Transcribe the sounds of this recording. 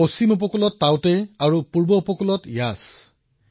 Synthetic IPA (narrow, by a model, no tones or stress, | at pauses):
osimup̬ɔkulɔtːawtɛaɹupuɹbɔupɔkulɔtjas